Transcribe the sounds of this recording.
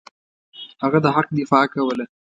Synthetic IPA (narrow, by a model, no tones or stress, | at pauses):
haɣad̪əɦaq̚d̪ɪfɑkawəla